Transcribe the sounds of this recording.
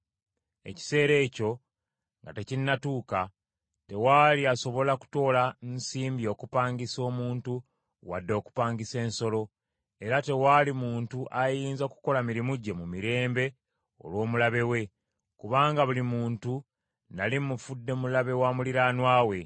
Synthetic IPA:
e̞̰ci̥se̞ːɾe̞ːco̞ | ŋɡa̰te̞cinːatuːka | te̞waːliaso̞βo̞laku̥to̞ːlansiːmbio̞ːkupaːɲɟiso̞ːmuːntu | wa̰dːo̞ːku̥paːɲɡise̞ːnso̞lo̞ | e̞ɾate̞walimuːntuʔajiːnzaku̥ko̞lamiɾimuɟːe̞mumiɾe̞ːmbe̞ | o̞̰lwo̞ːmulaβe̞we̞ | kuβaːŋɡaβulimuːntu | nalimufudːe̞mulaβe̞waːmuliɾaːnwaːwe̞

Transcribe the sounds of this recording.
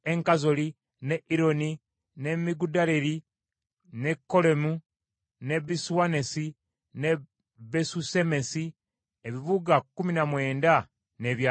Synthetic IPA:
eŋkazo̞li | neʔiɾo̞ni | ne̞miɡudaleɾi | ne̞kːo̞le̞mu | ne̞biswane̞si | ne | besusemesi | eβiβuɡakːuminamwe̞ːnda | neβja

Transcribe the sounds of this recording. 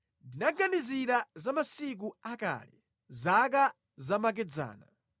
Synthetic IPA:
ndinaɡaniziɾazamasik̬uaka̰ːlɛ̰ | zak̬a | zamak̬ɛd͡za̰ːna̰

